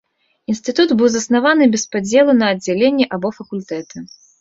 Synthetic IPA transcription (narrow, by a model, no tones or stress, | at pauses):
inst̪ɨt̪ud̪bɨwzɐsnavanɨbʲɛspad͡zʲɛlˠunɐːd͡zʲːɛlʲenʲːɛʔabɔfɐkulʲt̪ɛt̪ɨ